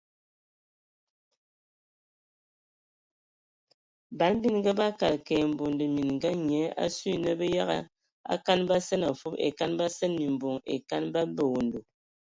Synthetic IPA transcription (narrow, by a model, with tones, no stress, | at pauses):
ba˨˦n˦bi˦nŋɡa˦ba˦ka˨lkɛ˨m̩˨bo˨ndə˨mi˨nŋ˨ɡa˦ɲɛ˨˦a̰˦si˦˨nə˦bə˦ja˦ɣa̰˦ | a̰˦ka˦nba˦sɛ˦na˨fu˦pḛ˨ka˦nba˦sɛ˦nmi˨m̩˨bo˨ŋḛ˨ka˦nba˦bə˨wo˨ndo˨